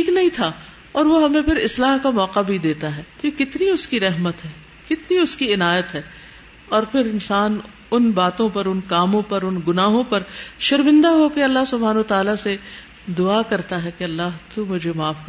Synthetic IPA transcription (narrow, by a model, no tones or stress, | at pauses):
iːknɐɦĩt̪ʰa | ɔːɾʋoɦɐmẽpʰɪɾɪslaːɦkamɔːqabʱid̪eːt̪aɦɛːt̪okɪt̪niʊskiɾɛɦmət̪ɦɛː | kɪt̪niʊskiɪnaːjət̪ɦɛː | ɔːɾpʰɪɾɪnsaːn | ʊnbaːt̪õpɐɾʊnkaːmõpɐɾʊnɡʊnaːɦõpɐɾʃɐɾmɪ̃nd̪aɦokeɐlːaɦsʊbʱaːnːt̪aːlase | d̪ʊakɐɾt̪aɦɛkeɐlːaɦt̪umʊd͡ʒʱemaːfk